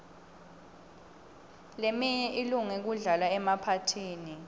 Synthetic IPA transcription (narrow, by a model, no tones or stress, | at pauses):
lemiɲɛʔiluŋɛk̬uɮalaɛmapʰatʰiːni